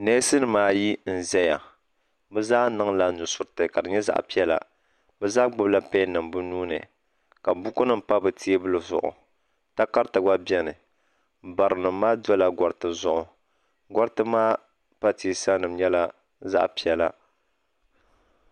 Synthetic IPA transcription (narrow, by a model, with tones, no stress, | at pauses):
nɛ˦sɨ˦nɨ˨maː˦ji˦n̩˨zɛ˦ja˨ | bɛ˦zaː˦nɨ˦ŋla˨nʊ˨sʊ˦ɾɨ˦tɨ˨ka˨dɨ˨ɲɛ˦za̰˨ʔpi˦ɛ˦la̰˨ | bɛ˦zaː˦ɡ͡bʊ˦bla˦pɛ˦nɨ˨mbɨ˦nuː˦nɨ̰˨ | ka˨bu˦kʊ˦nɨ˦m̩˨pa˦bɨ˨ti˦bɨ˦lɨ˨zʊ̰˨ʔʊ̰˨ | ta˦ka˦ɾtɨ˨ɡ͡ba˦bi˦ɛ˦nɨ˨ | ba˨ɾɨ˨nɨ˨mː˦aː˦dɔ˦la˦ɡɔ˨ɾɨ˨tɨ˨zʊ˦ʔʊ˨ | ɡɔ˦ɾtɨ˦maː˦ | pa˦tiː˨˦sa˦nɨ˨m˦ɲɛ˦la˦ | za̰˦ʔpi˦ɛ˦la˦